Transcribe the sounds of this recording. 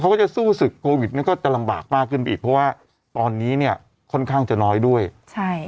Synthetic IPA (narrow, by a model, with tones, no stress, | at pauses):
kʰa˦˥wkɔː˥˩a˨˩suː˥˩sɯ˨˩kʰːoː˧wi˨˩t̪̚ni˥˩əkɔː˥˩t͡ɕa˨˩la˧mba̰ː˨˩k̚maː˥˩kʰːɯ˥˩npa˧iː˨˩pʰɾɔ˦˥waː˥˩ | t̪ɔː˧nːiː˦˥ni˥˩ɐ | kʰɔ˥˩nkʰaː˥˩ŋt͡ɕa˨˩nɔː˦˥jdu˥˩əjt͡ɕʰa˥˩j